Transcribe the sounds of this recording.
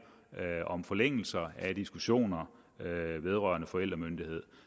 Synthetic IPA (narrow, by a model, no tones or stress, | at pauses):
ɒ̽mfɒ̽leŋ̰l̩sɐæd̥isɡ̥uɕo̝̰ːnɐ | ʋe̝ð̞ˠʁɶɐnəfɒ̽el̰d̥ʁɐmønd̥ihe̝ð̞̰ˠ